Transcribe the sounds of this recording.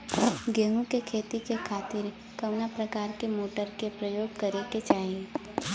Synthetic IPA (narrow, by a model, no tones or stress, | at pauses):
ɡẽːŋɡũkekʰeːt̪ikekʰaːt̪ɪɾ | kɐʋnapɾɐkaːɾkemoːʈəɾkepɾəjoːɡ̚kɐɾeket͡ʃaːɦie